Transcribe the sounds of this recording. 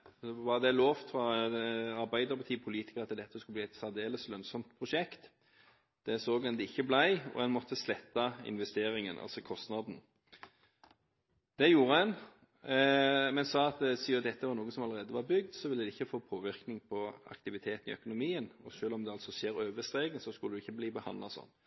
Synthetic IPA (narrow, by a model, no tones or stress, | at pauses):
ʋɑʁd̪ɛloːʋt̪ɾɑ | ɑɾbæɪd̪əɾpʰɑt̪ʰiːpʰʊliːt̪ɪ̥kəɾɑt̪ːd̪ɛt̪ːəɔskʉlb̪iːɛt̪sɑʁd̪eːləslœnsɔmt̪pʰɾʊʃɛkt̪ | d̪̥ɛsoːɡɛnd̪ɛɪçːəblæɪɔ̰hɛnmɔt̪ʰːəslɛt̪ːɑɪ̰nʋɛst̪eːɾɪŋənʔɑ̰lsɔkʰɔst̪nɑd̪n̩ | d̪̥ɛjuːɾəɛn | mɛnsɑːɑt̪siːɔd̪ɛt̪ʰːəʋɑɾnuːɡəsɔmɑləɾeːd̪əʋɑɾbʏɡ̚d̪sɔʋɪlːəd̪ɛɪçːəfoːpʰoːʋɪʁknɪŋpʰɔɑ̰kt̪ɪʋɪt̪ʰeːt̪n̩ɪ̰œkʊnʊmiːənɔʃøːlɔmd̪ɛɑlsɔʃeːɾøːʋəst̪ɾeːɡənsɔskʉləd̪ʉɪçːəbliːbəhɑ̰nd̪lɑsɔ̰nː